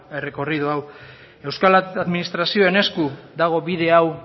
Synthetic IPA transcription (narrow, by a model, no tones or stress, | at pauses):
e̞re̞ko̞rið̞oaw | e̞wskalaðminist̪ɾasio̞ene̞skuðaɣ̞o̞βiðe̞aw